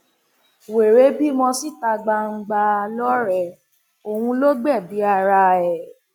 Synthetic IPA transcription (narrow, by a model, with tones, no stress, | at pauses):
we˨ɾe˨˦bi˦mɔ̃˧si˦˨ta˧ɡ͡ba˧ŋ̩˧ɡ͡ba˧lɔ˦ɾɛ˦˨ | o˨wũ˧lo˦ɡ͡bɛ˦˨bi˨˦a˦˨ɾa˧ɛ˨